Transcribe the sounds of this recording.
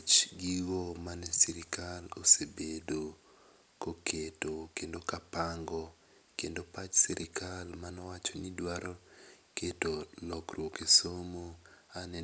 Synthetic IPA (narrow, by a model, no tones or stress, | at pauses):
t͡ʃɡiwɔmanɛsiɾikalosebedo | kokʰetokendokapaŋɡɔ | kendopat͡ʃsɛɾʔikʰalmanɔwat͡ʃonidwaɾoketolɔkrwokesomo | anɛ